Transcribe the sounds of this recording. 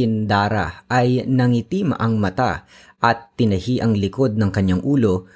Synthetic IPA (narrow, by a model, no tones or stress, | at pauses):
ɪnd̪aːɾa̰ʔɐjnɐŋit̪iːmɐ̰ʔɐŋmɐt̪a̰ | ʔɐt̪ːɪnɐhiʔɐŋlɪko̞d̪̚nɐŋkɐɲːaŋʔuːlo̞